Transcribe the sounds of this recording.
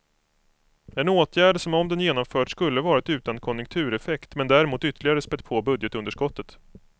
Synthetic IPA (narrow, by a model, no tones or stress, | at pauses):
ɛnoːt̪ʰjæːɖəʂɔmɔmd̪ɛnjeːnɔmfœːʈskɵlːəvɑːɾat̪ʉ̟ːt̪ankʰɔnjɵŋkt̪ʰʉ̟ːɾɛfɛkt̪mɛnd̪æɾɛmuːt̪ʏt̪ːəɭɪɡaɾəspɛpʰoːbɵd̪jət̪ɵnd̪əʂkɔt̪ːət̪